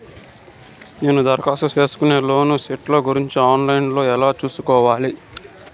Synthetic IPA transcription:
ne̞ːnud̪ɐɾɐkaːsɐt͡ʃeːsu̥kune̞ːlo̞ːnusiʈlo̞ːɡuɾiɲt͡ʃiaːnlɐjnlo̞ːɛlaːt͡ʃuːsukɔːʋaːli

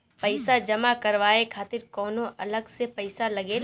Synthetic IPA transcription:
pɐɪsad͡ʒɐmakɐɾʋaːekʰaːt̪ɪɾkɔːnõʔɐləɡsepɐɪsalɐɡe

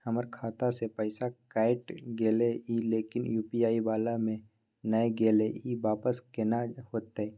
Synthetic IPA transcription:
həməɾkʰaːt̪asepɛɪsakaːɪʈɡeːleiːleːkɪnjuːpiaːibaːlamẽ | nəeɡeːleiːʋaːpəskenahoːt̪eɛ

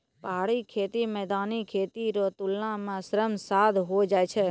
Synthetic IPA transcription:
pəɦaɭikʰet̪imɛd̪anikʰet̪iɾot̪ulnãmãsɾəmsad̪ɦod͡ʒaːjt͡ʃʰe

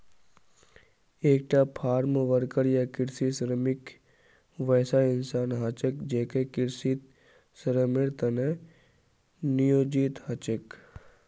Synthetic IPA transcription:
eːk̚ʈapʰaːɾmʋəɾkəɾjakɪɾsisɾəmɪk | ʋɛːsaɪnsaːnɦat͡ʃəkd͡ʒeːkekɪɾsit̪ | sɾəmeɽt̪ɐne | nijoːd͡ʒiːt̪hat͡ʃək

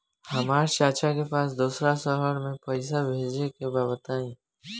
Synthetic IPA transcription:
hɐmaːɾʃaːt͡ʃakepaːsd̪uːsɾasəɦəɾmẽpɐɪsabʱeːd͡ʒnekebaːbət̪aẽː

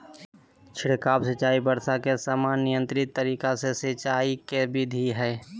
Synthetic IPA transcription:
t͡ʃʰɪɽkaːbsət͡ʃaːibəɾsakesaːmaːnːɪjə̃nt̪ɾɪt̪ːəɾiːkasesɪt͡ʃaːikebɪd̪ʱiɦɛː

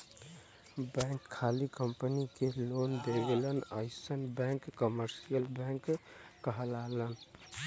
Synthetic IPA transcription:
bɛ̃ŋkʰːalikəmpənikelond̪eɡelənə̰ɪsənbɛ̃ŋkːəməɾsijəlbɛ̃ŋkːəɦəlalən

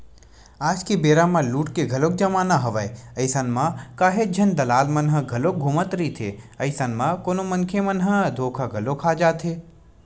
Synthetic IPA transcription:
aːd͡ʒkebeːɾamãluːʈkeɡʱɐlok̚d͡ʒɐmaːnaɦɐʋajəɪsanmãkaːɦed͡ʒʱɐnd̪ɐlaːlmɐnɦə̆ɡʱɐlok̚ɡʱuːmət̪ɾit̪ʰeːɐɪsanmãkoːnomɐnkʰemɐnɦəd̪ʱoːkʰaɡʱɐlokʰaːd͡ʒaːt̪ʰɦeː

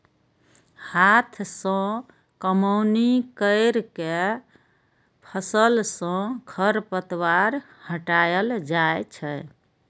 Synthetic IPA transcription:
hat̪ʰsə̃ | kəməwnikəɪɾke | pʰəsəlsə̃kʰəɾpət̪waɾ | həʈajəld͡ʒajt͡ʃʰɛ

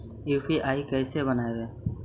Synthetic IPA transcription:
uːfʰiːʔaːiːkɛːseːbənaːeʋeː

